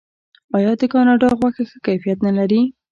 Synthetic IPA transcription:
ɑjɑd̪əkɑnɑɖɑɣwaxaxəkajfijat̪nalaɾi

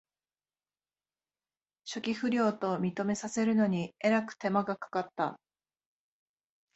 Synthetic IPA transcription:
ɕo̞kʲiɸɯ̟ɾʲo̞ːt̪o̞mʲit̪o̞me̞sase̞ɾɯ̟no̞ɲ̟ie̞ɾakɯ̟̥t̪e̞maɡakḁkat̪ːa̰

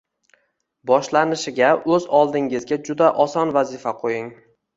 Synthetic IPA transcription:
bɒʃlanɪʃɪɡʲaɵzɒlˠd̪ɪŋɪzɡʲad͡ʒʊd̪aʔɒsɒnvazɪfaqʰojɪŋ

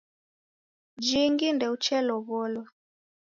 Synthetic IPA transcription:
d͡ʒiŋɡindɛut͡ʃɛlɔβɔlɔ

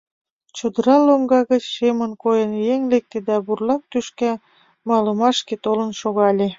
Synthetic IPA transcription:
t͡ɕod̪əɾɑloŋɡɑɣə̆t͡ɕʃemənkojənjeŋlek̚t̪ed̪æburlɑk̚t̪yʃkæ | mɑlə̆mɑʃket̪olə̆nʃoɣɑlʲe

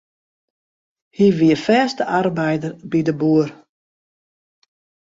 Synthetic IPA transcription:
hiʋiəfɛːstəʔarbɛjdərbidəbuər

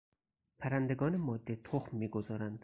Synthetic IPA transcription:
pʰæɾænd̪eɡɒːnemɒːd̪ːet̪ʰoxmːiːɡo̞zɒːɾænd̪̥

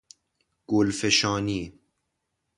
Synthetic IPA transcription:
ɡ̥olfeʃɑːniː

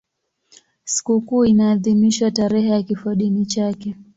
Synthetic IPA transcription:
si̥kukuːinaːðimiʃwataɾɛhɛjakifaɗinit͡ʃakɛ

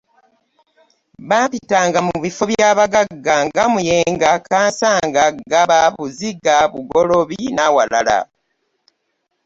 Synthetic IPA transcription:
βaːmpitaːŋɡamuβifo̞βjaːβaɡaɡːaŋɡamujeːŋɡakaːnsaːŋɡaɡaβaβuziɡaβuɡoloβinawala̰la̰

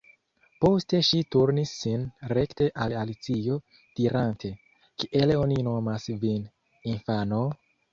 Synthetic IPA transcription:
po̞ste̞ʃituɾnisːinɾe̞kte̞ʔalalit͡siijo̞ | d̥iɾantʰe̞ | kiʔe̞lo̞nino̞masvin | infano̞

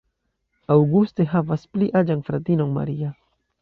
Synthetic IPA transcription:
awɡust̪eɦapaspliʔad͡ʒaŋfɾat̪inoŋma̰ɾia

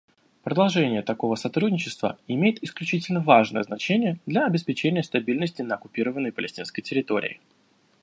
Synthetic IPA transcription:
pɾəd̪ɐlˠʐɛnʲɪjət̪ɐko̞vəsɐt̪ɾudʲnʲɪt͡ɕɪst̪və̰ɪmʲejɪt̪ɪsklʲʉt͡ɕitʲɪlʲnəvaʐnə̰jəznɐt͡ɕenʲɪjəd̪lʲɐːbʲɪspʲɪt͡ɕenʲɪjəst̪ɐbʲilʲnəsʲtʲɪnəɐkʊpʲiɾəvənːəjpəlʲɪsʲtʲinskəjtʲɪɾʲɪt̪o̞ɾʲɪ̰ɪ̰

